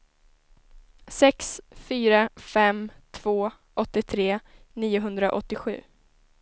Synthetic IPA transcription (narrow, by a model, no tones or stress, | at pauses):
sɛksfyːɾafɛmt̪ʰv̥oː | ʔɔt̪ːɪt̪ʰɾeː | niːʊɦɵnd̪ɾaʔɔt̪ːɪɧʉ̟̰ː